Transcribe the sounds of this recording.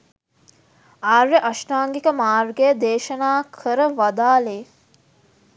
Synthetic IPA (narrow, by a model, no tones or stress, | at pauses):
aːɾːeʔɐʃʈaːŋɡikəmaːrɡejd̪eːʃɐnaːkʰəɾəʋad̪aːleː